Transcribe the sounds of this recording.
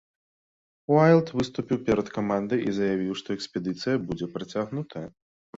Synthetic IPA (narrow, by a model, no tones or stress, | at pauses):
wajlˠt̪vɨst̪upʲiwpʲɛɾɐt̪kamand̪ɨjʔizɐjavʲiwʂt̪ɔɛkspʲɛd̪ɨt̪sɨjɐbud͡zʲɛpɾɐt͡sʲaɣnut̪ʰɐjɐ